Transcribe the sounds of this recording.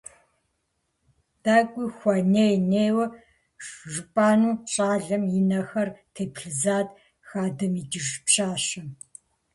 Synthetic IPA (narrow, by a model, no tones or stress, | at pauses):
d̥aːkʷʼiːxʷɐneːjneːwɐ | ʒʷpʼaːnuːɕʼaːɮɐmjinɐxɐrtʰeːpʰɬɨzaːd | xaːdɨmiːd͡ʒɪʒpʃaːʃɐm